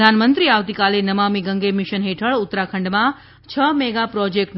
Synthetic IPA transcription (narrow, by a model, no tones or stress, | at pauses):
anmənt̪ɾiaʋt̪ikalenəmamiɡəŋɡʱemiʃənɦeʈʰəɭʊt̪ːɾakʰəɳɖmã | t͡ʃʰəmɛɡapɾɔd͡ʒek̚ʈ